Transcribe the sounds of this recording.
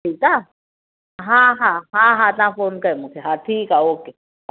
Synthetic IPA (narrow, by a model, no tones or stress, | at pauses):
eita | ɦaɦaɦaɦatafonkaimʊkʰɛɦat̪ʰikaoːke